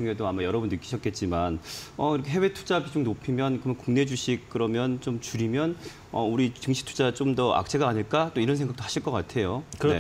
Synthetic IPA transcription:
uŋɦe̞doamajʌɾʌbundɯik͈ːi̥ɕʰʌt̚k͈e̞t̚t͡ɕ͈imanʌiɾʌkʰeɦe̞we̞tʰud͡ʑabid͡ʑomnopʰimjʌnkɯʌmʌnkuŋne̞d͡ʑuɕʰik̚k͈ɯɾʌmjʌnt͡ɕomt͡ɕuɾimjʌn | ʌuɾit͡ɕɯŋɕʰi̥k̚tʰu̥d͡ʑat͡ɕ͈omdʌʔa̰k̚t͡ɕʰeɡaːɲiɭk͈at͈oiɾʌnsʰe̞ŋɡakt͈ohaɕʰiɭk͈ʌk͈atʰe̞joe̞

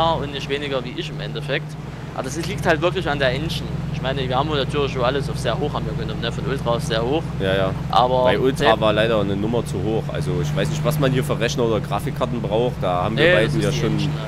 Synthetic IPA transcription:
ɐʊntnɪçtv̥eːnɪɡɐviːʔɪçɪmʔɛ̰ntəfɛk̚t | ʔʔa̰ːbɐd̥asɪliːk̚thaltvɪɐklɪçandeːɐʔɛnʃn̩ɪçmaɪnəviːɐhaːmʊnatʰyːɐlɪçzoːʔaləsaʊfz̥eːɐɦoːxhabmvjiːɐɡənɔmənəfɔnʔʊltʁ̥aːʊfz̥eːɐhoːxjaːjaːʔa̰ːbɐbaɪʔʊltʁ̥aːvaːɐlaɪɾɐnənʊmɐt͡suhoːxʔa̰lzoɪçv̥aɪsnɪçtv̥asmanhiːɐfyːɐʁɛçnɐoːdɐɡʁaːfɪkʰːaɐtn̩bʁaʊxt̚d̥aːhaːbmviːɐbaɪdn̩jaːʃoːn

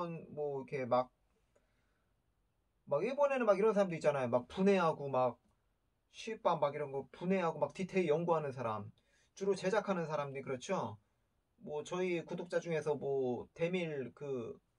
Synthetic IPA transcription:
nmwʌikʰe̞mak̚ | maɡjebʌne̞nɯnmaɡiɾʌnsʰaɾamdoitt͡ɕ͈anajomak̚pune̞ɦaɡomak̚ | ɕʰiɭp͈anmaɡiɾʌnɡʌpune̞ɦaɡomak̚titʰeijʌŋɡuɦanɯnsʰaɾa̰m | t͡ɕuɾot͡ɕe̞d͡ʑakʰanɯnsʰaɾamɲikɯɾʌt͡ɕʰo | mwʌt͡ɕʌikudok̚t͡ɕ͈ad͡ʑuŋe̞sʰʌmwʌte̞miɭkɯ

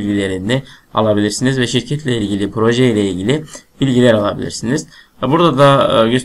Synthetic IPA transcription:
lʲɟilʲe̞ɾinɛa̰lˠabilʲiɾsinizvɛʃiɾcʰɛt̪lʲɛilʲɟilʲipɾo̞ʒɛjlʲɛilʲɟilʲɪbilʲɟilʲæɾalˠabḭlʲḭɾsiniz̥ | buɾd̪ad̪aɟøs

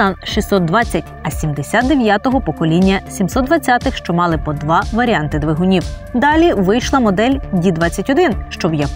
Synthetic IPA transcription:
ɑnʃisɔt̪̚d̪ʋɑt͡sʲːɐtʲɐsʲimd̪esʲat̪d̪eʋjat̪ɔɦɔpɔkɔlʲinʲːɐsʲimsɔt̪̚d̪ʋɐt͡sʲːat̪ɪxʃt͡ʃɔmɑlˠɪpɔd̪ʋɑʋɐɾʲiɑnt̪ɪd̪ʋɪɦʊnʲiwd̪ɑlʲiʋɪjʃlˠɐmɔd̪ɛlʲdʲid̪ʋɑt͡sʲːɐtʲɔd̪ɪnʃt͡ʃɔwjɐp

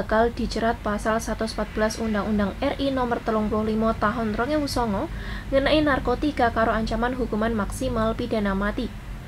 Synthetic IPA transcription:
akald̪̥i̤t͡ʃəɾat̪̚pasalsat̪usəmpat̪̚b̥əlasundaŋundaŋɛrʔinɔmərt̪əlʊŋplʊhlimɔt̪aɦʊnt̪ɾɔŋewusɔŋɔŋənaʔinarkot̪ikakaɾoaɲt͡ʃamanɦukumanmaksimalpidanamat̪i

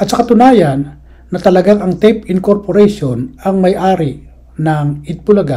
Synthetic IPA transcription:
ʔɐt̪t͡ʃɐkat̪ʊnaːjɐnː | ɐt̪ɐlɐɡaŋʔɐŋt̪ɛpɪŋkoɾpoɾɛjʃonɐŋmɐjʔaːɾɪ | nɐŋɪt̪̚pʊlɐɡa

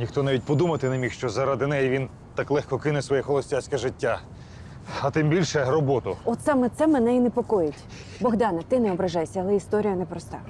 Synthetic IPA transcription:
nʲixt̪ɔnɑʋʲit̚ʲpɔd̪umɐt̪ɪnemʲixʃt͡ʃɔzɐɾɑd̪ɪnɛjiʋʲin | t̪ɑklˠɛxkɔkɪnɛsʋɔjɛxɔlˠɔsʲtʲasʲkɛʒɪtʲːa | ɐt̪ɪmbʲilʲʃɛɾɔbɔt̪ʊɔt̪sɛmɛt̪sɛmenɛinepɔkɔjetʲ | bɔɣd̪ɑnɐt̪ɪnɛɔbɾɐʒɑjsʲɐɐlˠɛist̪ɔɾʲijɐnɛpɾɔst̪ɑ

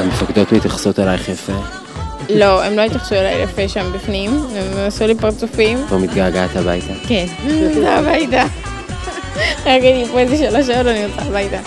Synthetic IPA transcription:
amefaked̪ot̪mit̪aχsot̪elajχeafe | lo̞emlo̞it̪jaχsuela̰jlafeʃambifnimemasulipaʁt͡sufimbomit̪ɡaɡat̪abajt̪akensabajt̪a | ɡidipoezeʃaloʃ̬aodaniosabajt̪a

